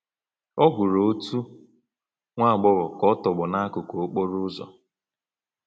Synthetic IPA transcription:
ɔ˦ɡʷʊ˨ɾo˨o˦tu˦ | ŋʷa˦a˨ɡ͡bʊ˦ɣɔ˨kɔ˦tɔ˨ɡ͡bʊ˨na˦a˦kʊ˨ko˨o˦k͡po˦ɾʊ˦zɔ̰˨

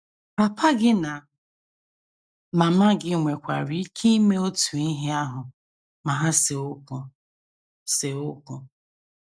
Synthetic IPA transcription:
pa˨pʰa˦ɡɪ˦na˨ | ma˨ma˦ɡɪ˦ŋʷe˨kʷa̰˨ɾi˦kʰi˦i˦me˦o˦tu˨i˦ɦi˦a˦ɦʊ˨ | ma˨ɦa˦se˨o˦kʊ˨ | se˨o˦kʊ˦

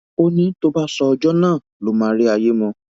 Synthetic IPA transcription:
o˦nĩ˦to˦ba˦sɔ˧ɔ˧d͡ʒɔ˦nãː˦˨ | lo˨˦mã˨˦ɾi˦a˧je˦mɔ̃˧

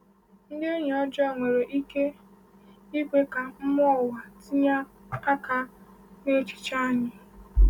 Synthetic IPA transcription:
n̩˦de˦ɲ˨ɔ˦d͡ʒɔ˦˨ŋʷe˨ɾe˨ʔi˦ke˦ | i˦kʷe˦ka˨m̩˦mɔ˦˨wa˨ti˦ɲa˦ | a˦ka˦ | ne˦t͡ʃi̥˨t͡ʃa˦˨ɲɪ˨

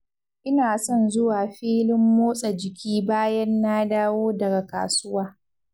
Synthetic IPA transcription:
ʔɪ˦naː˨sɔ˦˨nzʊ˦waː˨ɸiː˦lɪ˦mːoː˦sʼa˨d͡ʒɪ˨kʲʰiː˦baː˦jɐ˦nːaː˦daː˦woː˦dɐ˨ɡa˨ka̰ː˨sʊ˦waː˦

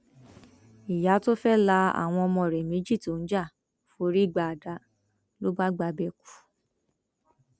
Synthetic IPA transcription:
i˨ja˨˦to˦fɛ˦la˧a̰˦˨w̃ɔ̃˧ɔ˧mɔ̃˧˨ɾɛ˨mĩ˨˦d͡ʒi˦˨to˨˦n̩˦d͡ʒa˦˨ | fo˧˦ɾi˦i˦˨ɡ͡ba˧˨a˨da˧˦ | lo˦ba˦ɡ͡ba˧bɛ˧˨ku̥˨

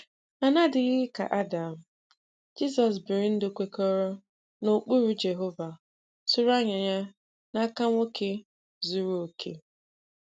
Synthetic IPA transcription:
a˨na˦dɪ˨ɣɪ˦ka̰˨ʔa˦da˨m̩˨ | d͡ʒi˦sɔ˨s̬bɪ˨ɾɪ˨n̩˦dʊ˨kʷe˨ko˦ɾo˦ | no˨k͡pu˦ɾu˦d͡ʒe˨ɦo˦va˨ | sʊ˦ɾa˦ɲa˨ɲa˦ | na˦ka˦ŋʷo˦kʰe˦ | zu˦ɾu˦o˨kʰḛ˦

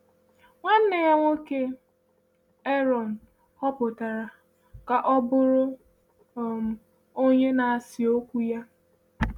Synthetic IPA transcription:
ŋʷa˦n̩˦ne˨ja˦ŋʷo˦ke˦ | e˦ɾɔ˨n̩˨ | hɔ˦pʊ˨ta˨ɾa˨ | ka˨ʔɔ˦bʊ˦ɾʊ˦˨ | m̩˨ | o˦ɲe˦na˨a˨sɪ˨o˦kʷu˦ja˦

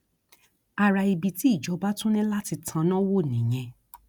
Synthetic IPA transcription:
a˧ɾa˧i˧bi˧ti˦i˦˨d͡ʒɔ˨˧˦ba˦tũ˦nɛ̃˦la˦ti˧tʰã˧nã˦wo˦˨nĩ˨j̃ɛ̃˧

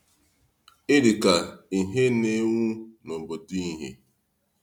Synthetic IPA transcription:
ɪ˦ɾi˨ka˨i˨ɦe˦ne˦ŋʷu˦nɔ˨bo˨di˦i˦˨ɦḛ˦

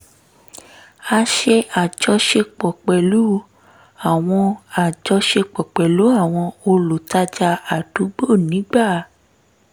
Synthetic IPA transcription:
a˧ʃe˧a˨d͡ʒɔ˧ʃe˧k͡pɔ˨k͡pɛ˨lu˨˦ | a˦˨w̃ɔ̃˧a˨d͡ʒɔ˧ʃe˧k͡pɔ˨k͡pɛ˨lu˨˦a˦˨w̃ɔ̃˧o˧lo˨ta˧d͡ʒa˧a˨du˨˦ɡ͡bo˦˨nĩ˨˦ɡ͡ba˦˨˦

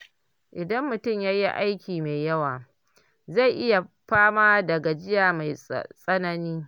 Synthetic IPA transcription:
ʔɪ˨dɐ˦mːʊ˨tʊ˦˨mjaː˦ji˦ʔa˦jkʲiː˨me˨jɐ˦waː˨ | za˦˨jʔɪ˦ja˨ | ɸaː˦maː˦dɐ˨ɡa˨d͡ʒɪ˦jaː˨ma˨jsʼɐ˦nɐ˦niː˦

